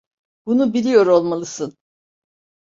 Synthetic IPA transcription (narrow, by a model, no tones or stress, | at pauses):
bunubilʲijo̞ɾo̞lˠmalˠɯsɯn